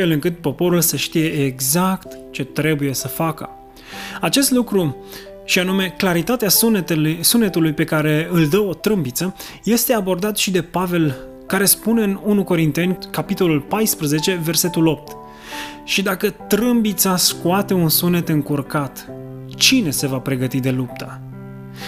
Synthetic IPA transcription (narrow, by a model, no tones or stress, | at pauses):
e̞lɨŋkɨt̪̚po̞po̞ɾulsəʃt̪ije̞ːɡzakt̪ | t͡ʃe̞t̪ɾe̞buje̞səfakə̰ | at͡ʃe̞st̪lukɾu | ʃianume̞klaɾit̪at̪ea | sune̞t̪ulujpe̞kaɾe̞ɨld̪əo̞t̪ɾɨmbit̪sə | je̞st̪e̞abo̞rd̪at̪ʃid̪e̞pave̞l | kaɾe̞spune̞ɨnunuko̞ɾint̪e̞nʲkapit̪o̞lulpajspɾəze̞t͡ʃe̞ve̞rse̞t̪ulo̞p̚t̪ | ʃid̪akət̪ɾɨmbit̪saskuat̪e̞unsune̞t̪ɨŋkurkat̪ | t͡ʃine̞se̞vapɾe̞ɡət̪id̪e̞lup̚t̪ʰə